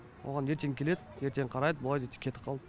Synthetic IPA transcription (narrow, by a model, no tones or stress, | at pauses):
wʔoʁɑne̞ɾt̪e̞ŋkʲʰe̞le̞d̪ɪje̞ɾt̪e̞ŋqʰɑɾɑjd̪əbolˠɑjd̪et̪kʲʰet̪ɪ̥qʰɑlˠd̪ə